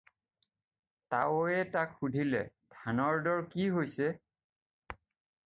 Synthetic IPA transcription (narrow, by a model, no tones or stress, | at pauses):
tawɛtakxudʱilɛ̰dʰʱanɔɹdɔɹkiɦojsɛ